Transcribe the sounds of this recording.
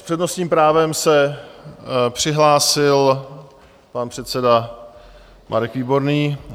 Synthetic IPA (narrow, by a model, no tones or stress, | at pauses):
spr̥ɛdnost̪ɲiːmpɾaːvɛmsɛ | pr̝̥ɪɦlaːsɪl | panpr̥ɛt̪sɛda | mʔa̰ɾɛkviːbo̞ɾniː